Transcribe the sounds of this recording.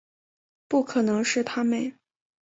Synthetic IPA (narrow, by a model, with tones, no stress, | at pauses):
pu˥˩kʰɤ˨˩nɤ˧˥ŋʂɻ̩˥˩t̪ʰa˥me˥˩ɪ